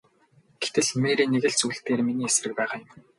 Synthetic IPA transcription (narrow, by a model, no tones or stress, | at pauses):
ɡ̥e̥t̪ɘ̆ɮmeːɾiːnːeɣɘ̆ɮt͡suːɬt̪eːrminiːes̆rɘ̆k̚pæːχajʊ̆m